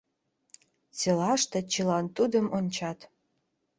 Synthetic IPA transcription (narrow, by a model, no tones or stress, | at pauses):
t͡selɑʃt̪et͡ɕəlɑnt̪ud̪əmonʲt͡ɕɑt̪